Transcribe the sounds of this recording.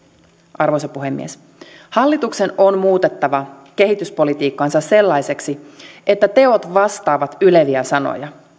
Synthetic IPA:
ʔɑrʋojsɑpuɦe̞mːḭes | hɑlːit̪ukse̞no̞nmuːt̪et̪ːɑʋɑ | k̟e̞ɦit̪yspo̞lit̪iːkːɑnsɑsse̞lːɑjse̞ksie̞t̪ːæt̪e̞ot̪ʋɑst̪ɑːʋɑt̪yleʋiæsɑno̰jɑ

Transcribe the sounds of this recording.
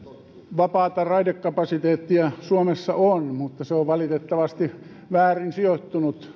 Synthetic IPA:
ʋɑpɑːt̪ɑrɑidekːɑpɑsit̪eːt̪ːiæsuomesːɑʔonmut̪ːɑseoʋʋɑlit̪et̪ːɑʋɑst̪i | ʋæːrinsiot̪ːunut̪

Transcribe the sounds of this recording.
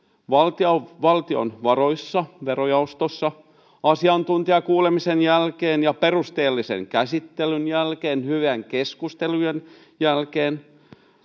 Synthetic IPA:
ʋɑlt̪ɑʋɑlt̪io̰nʋɑroisːɑʋeɾojɑust̪osːɑ | ɑsiɑnt̪unt̪iɑkuːlemisenjælkeːnjɑperust̪eːlːisḛŋkæsit̪ːelynjælkeːnhyʋeŋkeskust̪elujen | jælkeːn

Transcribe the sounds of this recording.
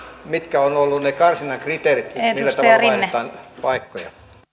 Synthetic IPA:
mit̪kæonolːunnekɑrsinɑŋkrit̪erit̪niːlːætt̪ɑɑlɑt̪ɑːnpɑikːojɑ̰

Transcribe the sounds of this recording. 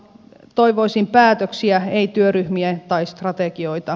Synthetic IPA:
t̪oiʋoisimpæːt̪øksiæeit̪yøryhmiet̪ɑist̪rɑt̪ekioit̪ɑ

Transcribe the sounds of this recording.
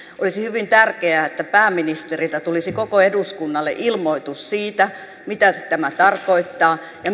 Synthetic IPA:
ʔolisihyʋint̪ærkeæet̪ːæpæːmːinist̪erilt̪æt̪ulisikokoeduskunːɑlːḛʔilmoit̪ussiːt̪æ | mit̪æt̪æmæt̪ɑrkoit̪ːɑː | jɑ

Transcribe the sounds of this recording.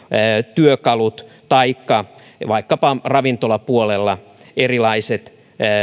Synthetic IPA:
t̪yøkɑlut̪ | t̪ɑikːɑ | ʋɑikːɑpɑrɑʋint̪olɑpuolelːɑ | erilɑiset̪ː

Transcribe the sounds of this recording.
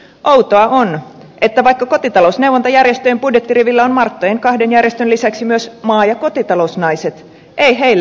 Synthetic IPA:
ʔowt̪oɑʔon | ʔet̪ːæʋɑikːɑko̞t̪it̪ɑlousneuwʋont̪ɑjærjest̪øjempudjet̪ːiriʋilːæonmɑrt̪ːojeŋkɑhdenjærjest̪ønlisæksimyøsmɑːjɑko̞t̪it̪ɑlousnɑiset̪ | ʔeiɦeilː

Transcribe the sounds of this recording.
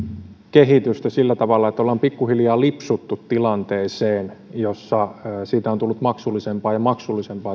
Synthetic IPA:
keɦit̪yst̪æsilːæt̪ɑʋɑlːɑet̪ːæolːɑːmpikːuhiljɑːlipsut̪ːut̪tilɑnt̪eːseːnjosːɑːsiːt̪æont̪ulːut̪mɑksulːisempɑːjɑmɑksulːisempɑː

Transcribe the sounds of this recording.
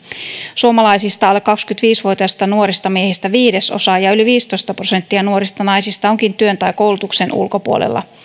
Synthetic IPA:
suomɑlɑjsist̪ɑolekːɑkskyt̪ʋiːsʋuot̪iɑsst̪ɑnuo̞ɾist̪ɑmiehist̪æʋiːde̞so̞̰sɑjɑyliʋiːst̪o̞jst̪ɑprose̞nt̪ːiɑnuo̞ɾist̪ɑnɑjsist̪ɑo̞ŋkint̪yønt̪ɑjko̞wlut̪uksenʔṵlko̞puo̰lḛlːɑ̰

